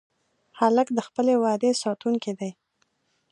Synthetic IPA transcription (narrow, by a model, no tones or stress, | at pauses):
haləkd̪əxpəlewɑd̪esɑt̪uŋkid̪aj